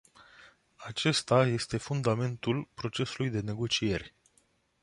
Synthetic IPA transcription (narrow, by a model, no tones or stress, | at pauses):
at͡ʃe̞st̪aje̞st̪e̞fund̪ame̞nt̪ulpɾo̞t͡ʃe̞sulujd̪e̞ne̞ɡo̞t͡ʃije̞rʲ